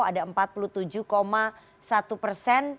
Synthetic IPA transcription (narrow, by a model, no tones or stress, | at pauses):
adaəmpat̪̚pulut̪ud͡ʒuhkoma | sat̪upərsɛn